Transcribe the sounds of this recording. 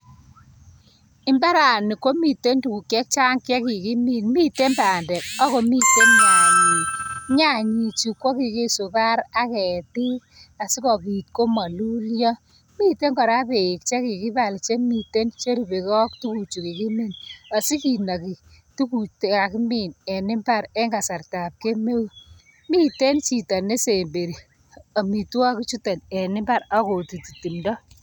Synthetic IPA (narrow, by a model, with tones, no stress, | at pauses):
ɪ˦mba˦ɾa˨ni˨ko˦mi˨te˦ntu˨ku˨kːɛ˦k̚t͡ʃa˦ŋkɛ˦ki˨ki˦mi˦nmi˦te˦mba˨ndɛ˨k̚ɔ˦ko˨mi˦tːe˦nma˨ji˨ɲa˦˨ɲi˨t͡ʃu˨ko˦ki˨ki˦sʊ˨ka˦ɾa˦kɛ˨ti˦ | a˨si˦kɔ˨ki˨t̚ko˦ma˨lu˦ljɔ˦ | mi˦te˦ŋkɔ˨ɾa˦pe˨ɪ˨k̚t͡ʃɛ˦ki˨ki˦ba˨lt͡ʃe˦mi˨te˦nt͡ʃe˦ɾi˨be˨kɔ˦ktu˦ku˨t͡ʃu˨ki˨ki˦mi˦na˨si˦ki˨na˨ki˨ | tu˦ku˨te˨ka˨ki˦mi˨nɛ˨nɪ˦mba˦ɾɛ˦ŋɡa˨sa˨rta˨p̚ke˦me˦w | mi˦te˦nt͡ʃi˨ta˨ne˦se˨mbe˨ɾi˨ | a˨mi˨twa˦ki˦t͡ʃu˦te˨nɛ˨nɪ˦mba˦ɾa˦ko˨ti˨ti˨ti˨mdɔ˦